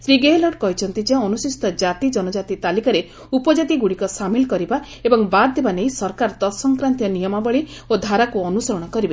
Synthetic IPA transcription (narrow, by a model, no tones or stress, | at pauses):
sɾiɡeelɔɖ̚kɔɦit͡ʃʰɔnt̪id͡ʒeãɔnusist̪ɔd͡ʒat̪id͡ʒɔnɔd͡ʒat̪it̪alikaɾe | upɔd͡ʒat̪iɡuɽikɔsamilkɔɾiba | ebɔŋbad̪ebaneĩsɔɾkaɾt̪ɔsɔŋkɾant̪ijɔnijɔmabɔɭiod̪ʱaɾakuɔnusɔɾɔɽ̃ɔkɔɾibe